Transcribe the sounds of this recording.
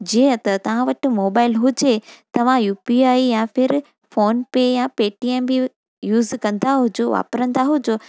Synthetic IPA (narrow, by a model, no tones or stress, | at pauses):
d͡ʑiːə̃t̪ɐt̪ɐʋ̤ãʋɐʈɪ̆moːbaːɪlɦʊd͡ʑet̪ɐʋ̤ãjuːpiaːijãfɪɾ | foːnpejãpeːʈiɛmbɪ | juːzkɐ̃nd̪aɦʊd͡ʑoʋa̰ːpɾə̃nd̪aɦʊd͡ʑoː